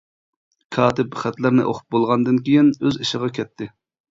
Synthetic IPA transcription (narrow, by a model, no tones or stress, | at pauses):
kʰɑːt̪ʰɪpχæt̪lɪɾnɪ̰ʔoχʰʊ̥p̚bolˠʁɑnd̪ɨnkʲʰijinøziʃɪʁɑkʲʰɛt̪ʰːɪ